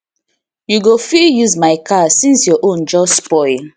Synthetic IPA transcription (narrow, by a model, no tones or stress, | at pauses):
juɡofiljuzmaɪkʰasĩnsjɔʔõnd͡ʒɔspɔɪl